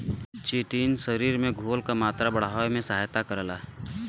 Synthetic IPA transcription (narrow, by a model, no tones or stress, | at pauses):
t͡ʃiːʈiːnsəɾiːɾmẽɡʱoːlkamaːt̪ɾabəɽaemẽsəɦaːjt̪akəɾlaː